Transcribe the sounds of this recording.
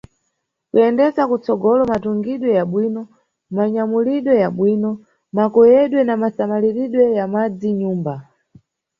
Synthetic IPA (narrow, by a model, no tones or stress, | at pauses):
kuɛndɛzakut͡sɔɡɔlɔmatuŋɡiɗwɛjaɓwiːnɔ | maɲamuliɗwɛjaɓwiːnɔ | makɔjɛɗwɛnamasamaliɾiɗwɛjamad͡ziɲuːmba